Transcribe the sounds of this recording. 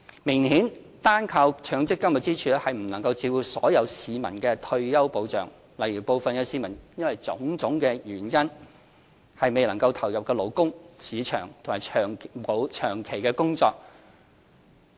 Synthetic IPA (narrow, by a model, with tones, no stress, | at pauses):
mɪ˨˩ŋhiː˨˥n | t̪aː˥nkʰaː˧wt͡ʃʰœː˨˥ŋt͡sɪ˥kːɐ˥m˨t̚t͡siː˥t͡ʃʰyː˨˥hɐ˨jm̩˨˩nɐ˨˩ŋkɐ˧wt͡siː˧wuː˨˩sɔ̰ː˨˥jɐ˨˧wsiː˨mɐ˨˩nkɛː˧t̪ʰɵ˧ɥjɐ˥wpo˨˧wt͡ʃœ̰ː˨˩ŋ | lɐ˨˩jɥyː˨˩po˨wfɐ˨nkɛː˧siː˨˧mɐ˨˩njɐ˥nwɐ˨jt͡sʊ̰˨˥ŋt͡sʊ˨˥ŋkɛ˧jyː˨˩njɐ˥n | hɐ˨jme˨jlɐ˨˩ŋkɐ˧wt̪ʰɐ˨˩wjɐ˨p̚kɛː˧lo˨˩wkʊ˥ŋsiː˨˧t͡ʃʰœ̰ː˨˩ŋt̪ʰʊ˨˩maː˨˩jt͡ʃʰœː˨˩ŋmo˨˧wt͡ʃʰœː˨˩ŋkʰe˨˩jkɛː˧kʊ˥ŋt͡sɔː˧k̚